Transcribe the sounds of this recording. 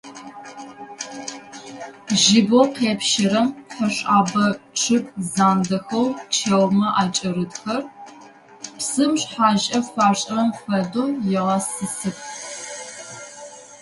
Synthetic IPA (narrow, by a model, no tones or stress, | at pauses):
ʒɪboqeːpʃɪɾɐmħɐɕʼaːbɐʈ͡ʂʰɨpʼzaːndɐxɐwt͡ʃʰewmɐʔaːt͡ʃʼɐɾɨdxɐr | psɨmɕħaːʑʼɐfʷaːrɕʼɐɐmfʷɐdoːjɪʁɐsɨsɨpʰʼ